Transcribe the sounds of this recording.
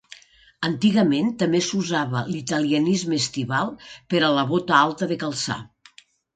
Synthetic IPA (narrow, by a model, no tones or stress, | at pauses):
ənt̪iɣəment̪əmbesuzaβə̰lit̪əliənizmest̪iβalˠpəɾələβɔt̪əalˠt̪əðekəlˠsa̰